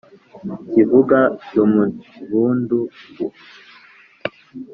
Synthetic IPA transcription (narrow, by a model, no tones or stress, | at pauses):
kivuɡacomuβuːnduɡu